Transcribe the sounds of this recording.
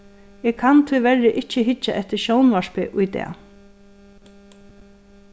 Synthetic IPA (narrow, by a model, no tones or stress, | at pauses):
ɛːkʰant̪ʰʏʋɛɹɪʔɪt͡ʃːəɦɪt͡ʃːaʔɛht̪ɪɾʃownʋaʂpɪʔʊjt̪ɛ̰ː